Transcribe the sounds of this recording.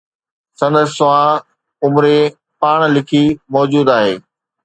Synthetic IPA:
sɐ̃nd̪əssʊʋã | ʊmɾe | paːɽ̃lɪkʰimɔːd͡ʑuːd̪aːɦeː

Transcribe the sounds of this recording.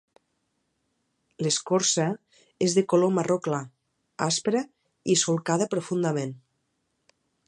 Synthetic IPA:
leskoɾsə | ezðekolomarokla | aspɾə | isolˠkaðəpɾofund̪amen

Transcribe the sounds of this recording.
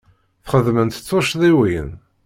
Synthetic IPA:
θχəðmənt̪t͡sːoʃðˤiwijə̰n

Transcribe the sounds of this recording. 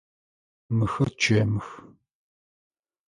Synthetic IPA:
mɨxɐrt͡ʃʰeːmɨx

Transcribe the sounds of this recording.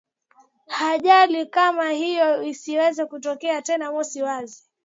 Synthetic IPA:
haʄalikamahijɔisiwɛzɛkutɔkɛatɛnamɔsiwazi

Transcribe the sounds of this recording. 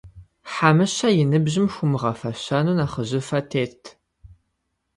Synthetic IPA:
ħamɨɕɐjɪnɨbʑɪmxʷʊmɨʁɐfɐɕɐnuːnaχəʑɪfɐtʰeːtʰ

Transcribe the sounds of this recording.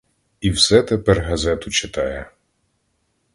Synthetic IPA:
iwsɛt̪epɛrɦɐzɛt̪ʊt͡ʃɪt̪ɑjɛ

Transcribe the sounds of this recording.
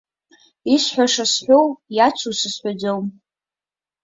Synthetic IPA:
isħʷᶣaʂasħʷᶣowjat͡ʃʷʰusɨsħʷad͡zowm

